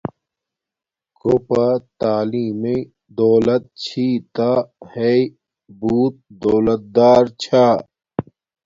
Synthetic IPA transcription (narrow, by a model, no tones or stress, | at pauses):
kopat̪aːliːme | d̪ɔːlɐt̪̚t͡ɕʰiːt̪ahei | buːt̪̚d̪ɔːlɐt̪̚d̪aːɾt͡ɕʰaː